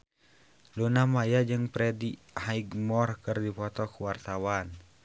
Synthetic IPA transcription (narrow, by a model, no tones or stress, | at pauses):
lunamajad͡ʒɨŋpɾɛdi | haiɡmɔrkɨrdipɔt̪ɔkuwart̪awan